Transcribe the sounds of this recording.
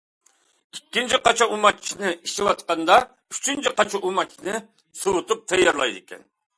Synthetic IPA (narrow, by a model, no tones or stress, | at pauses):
ikʲːint͡ʃʰiqɑt͡ʃʰɑʔumɑt͡ʃːʰinɪiʃɪwɑt̪qɑnd̪ɑ | yt͡ʃʰynt͡ʃʰiqɑt͡ʃʰɑʔumɑt͡ʃːʰinɨ | sɨwut̪up̚t̪ʰɛjːɑɾlˠɑ̰jd̪ɪkʲɛ̰n